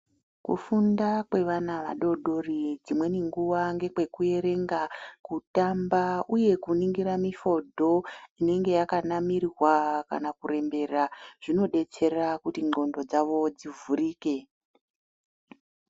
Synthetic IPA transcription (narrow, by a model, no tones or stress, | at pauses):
kṵfundakwe̞ʋanaʋa̰ɗo̞ɗo̞rid͡zimwe̞niŋɡuwaŋɡe̞kwe̞kue̞ɾe̞ŋɡakutambauje̞kuniŋɡiɾamifo̞dʱo̞ine̞ŋɡe̞jakanamirwaka̰nakure̞mbe̞raʐ̥ino̞ɗe̞t͡se̞rakutiŋ͡ǃo̞ndo̞d͡zaʋo̞d͡zivuɾiːke̞